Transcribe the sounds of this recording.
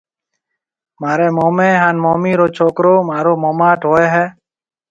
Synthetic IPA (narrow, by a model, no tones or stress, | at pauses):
maːɾeːmoːmẽːɦaːnmoːmiːɾoːt͡ʃʰoːkɾoːmaːɾoːmoːmaːʈɦoːeːɦɛː